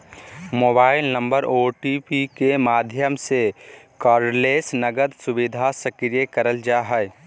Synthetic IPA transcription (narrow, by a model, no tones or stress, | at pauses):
moːbaːɪlnə̃mbəɾoːʈipikemaːd̪ʱjəmsekɔːɾleːsnəɡəd̪sʊʋɪd̪ʱasəkɾjekəɾəld͡ʒaɦɛɪ